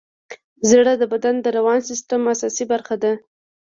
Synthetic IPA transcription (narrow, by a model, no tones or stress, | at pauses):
zɽad̪əbad̪and̪əɾawɑnsɪst̪əmasɑsibaɾxad̪a